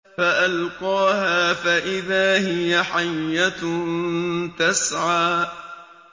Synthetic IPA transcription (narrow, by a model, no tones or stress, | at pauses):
faʔalqɑːhaːfaʔɪðaːhɪjaħajːa | t̪asʕaː